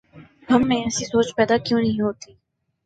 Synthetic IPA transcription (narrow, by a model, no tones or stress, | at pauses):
ɦɐmːẽɛsisoːt͡ʃpɛːd̪akjõːnɐɦĩɦoːt̪iː